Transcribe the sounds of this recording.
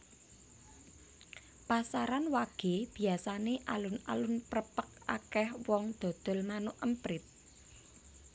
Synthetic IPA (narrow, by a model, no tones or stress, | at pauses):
pasaɾanwaɡ̥e̤b̥i̤asaneʔalʊna̰lʊnpɾəpək̚a̰kɛhwɔŋd̪̥o̤d̪̥ɔ̤lmanʊʔʔəmpɾɪt̪̚